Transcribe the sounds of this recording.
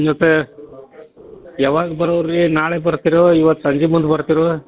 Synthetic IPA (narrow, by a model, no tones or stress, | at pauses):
d͡ʒot̪ːe | jaːʋaːɡɐbɐɾɐːɾinaːɭebɐɾt̪iɾoiʋɐt̪ːsɐɲd͡ʒimund̪ubɐɾt̪iɾo